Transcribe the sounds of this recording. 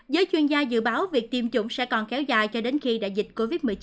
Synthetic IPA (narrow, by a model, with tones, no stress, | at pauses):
zəː˨˦jt͡ɕwi˧ənzaː˧zɨ̰˧˨ɓaː˨˦wvi˨˩ək̚t̪i˧mt͡ɕʊ̰˧˨ŋ͡msɛ̰˧˥kɔ˨˩nkɛ˨˦wza̰ː˧˨˩jt͡ɕɔ˧ɗe˨˦nxi˧ɗa̰ː˧˨jzï˨˩t̚ko˧vi˦˥t̚mɨ˨˩t͡ɕ